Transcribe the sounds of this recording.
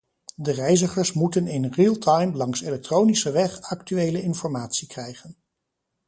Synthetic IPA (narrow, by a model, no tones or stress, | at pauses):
dərɛjzəχəɹsmutənɪnriːlˠtʰɑjmlɑŋselɛk̚trownisəʋɛχɑk̚tyʋejləɪnfɔɹmaːtsikrɛjχən